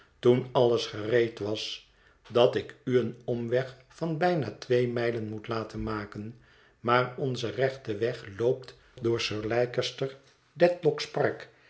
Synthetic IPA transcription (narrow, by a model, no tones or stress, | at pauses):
tunɑləsχərejtʋɑs | dɑtɪkyənɔmʋɛχ | fɑnbɛjnaːtʋejmɛjlənmutlaːtənmaːkən | maːɹɔnzərɛχtəʋɛχlowpt | dʊːɹsøːɹlɛjkəstər | dɛtlɔkspɑɹk